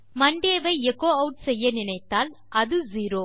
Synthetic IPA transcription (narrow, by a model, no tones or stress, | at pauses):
mɐɳɖeːʋɐɪɛkːoːɐʊʈ̚sɛjːɐnɪnɐɪt̪ːaːl | ʔɐðɯziːɾoː